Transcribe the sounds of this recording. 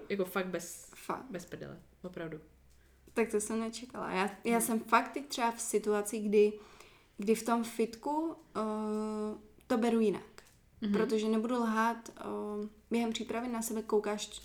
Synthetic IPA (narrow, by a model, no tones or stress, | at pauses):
jakofaɡ̚t̪̚bɛsfa̰bɛspɛdɛ̰lɛ̰ | vopɾavdu | t̪ak̚t̪osɛmnɛt͡ʃɛkala̰jaːjaːsɛmfakt̪ːɛc̚t̪r̝̥ɛbafsɪt̪uat͡siɡdɪ | ɡdɪft̪o̞mfɪt̪ku | t̪o̞bɛɾujɪna̰k | pɾot̪oʒɛnɛbudulɦaːt̪ | bjɛɦɛmpr̝̥iːpɾavɪnasɛbɛkowkaːʃ